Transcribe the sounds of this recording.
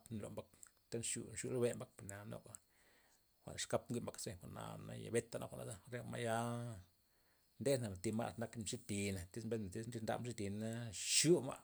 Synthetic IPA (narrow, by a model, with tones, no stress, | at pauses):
pn˨lo̰˨mba˧˦k̚ | t̪a˦nʃṵ˧ʃu˧lo˦be˦mba˦k̚pi˨na˨nlo̰˦ka˨ | xʷa̰˨n˨ʂka˦pɡʷi˦ʔmba˨˧kse˦xʷa˨na̰˨na̰˦ja̰˨be˦t̪ːa˧nʔa̰˦xʷa˨nʔa̰˨za˦ɾe˧ma˧ja˦ | nd̪e˦na˨m˨t̪i˧ma̰˦ʔna˦kmʂi˦t̪i˨na˨t̪i˦smbe˦a˨t̪i˦sɾi˧nd̪a̰˧mʃi˦t̪i˨na˦ʃu˦ma̰˦˧